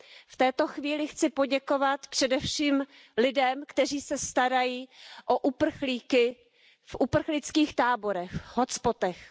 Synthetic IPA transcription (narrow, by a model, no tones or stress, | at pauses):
ft̪ɛːt̪o̞xviːlɪxt͡sɪpo̞ɟɛko̞vat̪pr̝̥ɛdɛfʃiːm | lɪdɛmkt̪ɛriːsɛst̪aɾajiːʔoʔupr̩xliːkɪ | fʔupr̩xlɪt͡skiːxt̪aːbo̞ɾɛxɦot͡spo̞t̪ɛx